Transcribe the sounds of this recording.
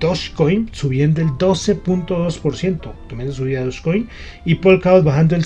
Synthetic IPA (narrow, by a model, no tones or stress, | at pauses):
d̪oskojnsuβje̞nd̪oeld̪o̞se̞punt̪o̞ðo̞spo̞ɾsje̞nt̪ot̪omend̪os̬uβiðaoskojn | ipolkawt̪βaxand̪oel